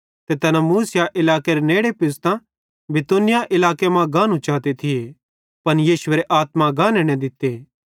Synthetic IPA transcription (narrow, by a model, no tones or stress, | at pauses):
t̪et̪ɐnãmuːsɪjaʔɪlaːkeɾeneːɽepɪst̪ã | bɪt̪unɪjaʔɪlaːkemãɡãːnũt͡ʃaːt̪et̪ʰɪe | pɐnjiːsʊʋeːɾeʔaːt̪mãɡãːneːɽ̃ẽd̪ɪt̪ːeː